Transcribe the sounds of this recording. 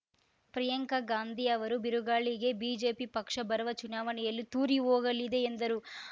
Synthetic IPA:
pɾɐjɐŋkɐɡaːnd̪ʱiɐʋɐɾubiɾuɡaːɭiɡe̞biːd͡ʒe̞ːpipɐkʂɐbɐɾɐʋɐt͡ʃunaːʋɐnɛjɐlːit̪uːɾiɦoːɡɐlid̪e̞ːnd̪ɐɾu

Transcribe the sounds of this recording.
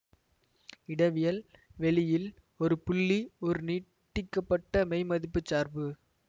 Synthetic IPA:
ɪɽɐʋɪjɐlʋɛɭɪjɪl | ɔɾɯpʊɭːiɔɾɯniːʈːɪkːɐpːɐʈːɐmɐɪmɐðɪpːɯt͡ʃːaːɾbɯ

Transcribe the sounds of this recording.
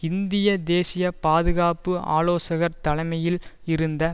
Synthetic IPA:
ɪnd̪ɪjɐd̪eːsɪjɐpaːðɯɣaːpɯa̰ːloːsɐɣɐɾt̪ɐlɐɪmɐjɪlɪɾɯnd̪ɐ

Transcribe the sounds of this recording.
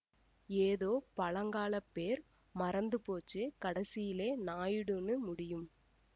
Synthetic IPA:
eːðoːpɐɭɐŋɡaːlɐpːeːɾ | mɐɾɐnd̪ɯpoːt͡ʃːɯkɐɽɐsɪjɪleːnaːjɯɽɯnɯmʊɽɪjɯm

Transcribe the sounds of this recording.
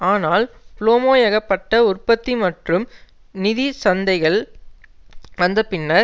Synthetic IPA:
aːnaːlploːmoːjɐɣɐpːɐʈːɐʊrpɐt̪ːimɐʈrɯm | nɪðisɐnd̪ɐɪɣɐɭ | ɐnd̪ɐpɪnːɐɾ

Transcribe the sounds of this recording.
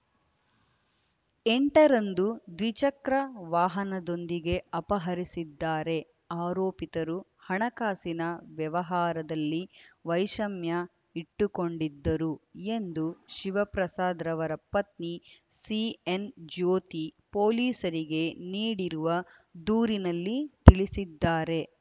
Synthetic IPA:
eɳʈɐɾɐnd̪ud̪ʋit͡ʃɐkɾɐʋaːɦɐnɐd̪o̞nd̪iɡe̞ɐpɐɦɐɾisid̪ːaːɾe̞ | aːɾoːpit̪ɐɾuhɐɳɐkaːsinɐʋjɐʋɐɦaːɾɐd̪ɐlːiʋɐjʃɐmjɐ | iʈːuko̞ɳɖid̪ːɐɾue̞nd̪uʃiʋɐpɾɐsaːd̪ɾɐʋɐɾɐpɐt̪nisiend͡ʒoːt̪ipoːliːsɐɾiɡe̞niːɽiɾuʋɐd̪uːɾinɐlːit̪iɭisid̪ːaːɾe̞

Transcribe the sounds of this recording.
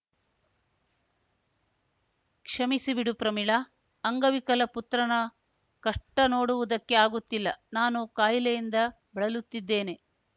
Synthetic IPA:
kʂɐmisibiɽupɾɐmiɭɐː | ŋɡɐʋikɐlɐput̪ɾɐnɐ | kɐʂʈːɐno̞ːɽuʋud̪ɐkːe̞aːɡut̪ːilːɐnaːnukaːjilejind̪ɐ | bɐɭɐlut̪ːid̪ːe̞ːne̞

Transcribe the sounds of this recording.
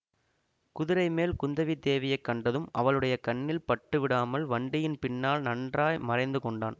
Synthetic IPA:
kʊðɪɾɐɪmeːlkʊnd̪ɐʋid̪eːʋɐjɐɪkːɐɳɖɐðɯmɐ̰ʋɐɭɯɽɐjɐkɐɳːɪlpɐʈːɯʋɪɽaːmɐlʋɐɳɖɪjɪnpɪnːaːlnɐɳdraːjmɐrɐɪnd̪ɯkɔɳɖa̰ːn

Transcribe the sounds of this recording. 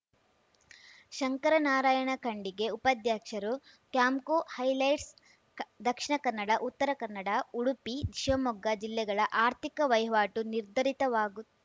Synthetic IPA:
ʃɐŋkɐɾɐnaːɾaːjɐɳɐkɐɳɖiɡe̞upɐd̪ʱjaːkʂɐɾu | kjaːmkohɐjlɐjʈs | d̪ɐkʂiɳɐkɐnːɐɽɐʔut̪ːɐɾɐkɐnːɐɽɐuɽupid̪ʱiʃʋɐmɔɡːɐd͡ʒilːɛɡɐɭɐʔaːɾt̪ikɐʋɐjʋaːʈuniɾd̪ʱɐɾit̪ɐʋaːɡu

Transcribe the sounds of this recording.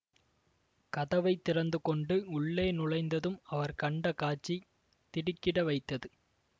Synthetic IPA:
kɐðɐʋɐɪt̪ːɪrɐnd̪ɯkɔɳɖɯʊɭːeːnʊɻɐɪnd̪ɐðɯmɐʋɐɾkɐɳɖɐkaːt͡ʃːi | t̪ɪɽɪkːɪɽɐʋɐɪt̪ːɐðɯ

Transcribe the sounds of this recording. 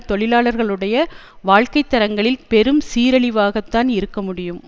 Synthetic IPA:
t̪ɔɭɪlaːɭɐɾɣɐɭɯɽɐjɐ | ʋaːɻkɐɪt̪ːɐɾɐŋɡɐɭɪlpɛɾɯmsiːɾɐɭɪʋaːɣɐt̪ːaːnɪɾɯkːɐmʊɽɪjɯm

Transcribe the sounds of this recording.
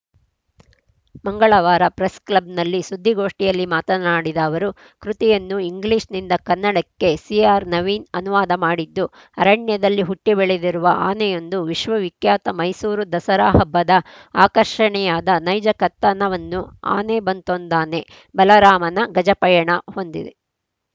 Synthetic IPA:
mɐŋɡɐɭɐʋaːɾɐpɾesklɐb̚nɐlːisud̪ʱːiɡo̞ːʂʈijɐlːimaːt̪ɐnaːɽid̪ɐːʋɐɾu | kɾut̪ijɐnːuiŋɡliːʂnind̪ɐkɐnːɐɽɐkːe̞siaːɾnɐʋiːnɐnuʋaːd̪ɐmaːɽid̪ːu | ɐɾɐɳjɐd̪ɐlːiɦuʈːibɛɭed̪iɾuʋɐʔaːnɛjo̞nd̪uʋiʃʋɐʋikjaːt̪ɐmɐjsuːɾud̪ɐsɐɾaːɦɐbːɐd̪ɐ | aːkɐɾʃɐɳɛjaːd̪ɐnɐjd͡ʒɐkɐt̪ːɐnɐʋɐnːua̰ːnebɐnt̪ond̪aːne̞ | bɐlɐɾaːmɐnɐɡɐd͡ʒɐpɐjɐɳɐho̞nd̪ḭd̪e

